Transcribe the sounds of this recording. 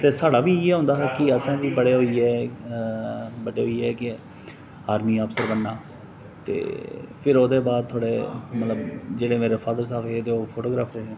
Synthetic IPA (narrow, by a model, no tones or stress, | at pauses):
t̪eːsaːɽaːʋiːeːɦʊ̃ːnd̪aːɦɛːkɪəsãːʋiːbəɽeːɦoːiːɛː | bəɖeːɦoːiːɛːkɪ | aːɾmiːəpsəɾbənːaː | t̪ḛːpʰɪɾoːd̪eːbaːd̪̚t̪ʰoːɽḛːmət̪ləbd͡ʒeːɽeːmeːɾeːfʰaːd̪əɾsaːbɦeːt̪eːoːpʰoːʈoːɡɾaːpɾeɦẽː